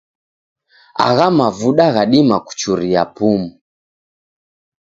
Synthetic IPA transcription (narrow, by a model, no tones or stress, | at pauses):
a̰ɣamavuɗaɣaɗimaku̥t͡ʃuɾiapumu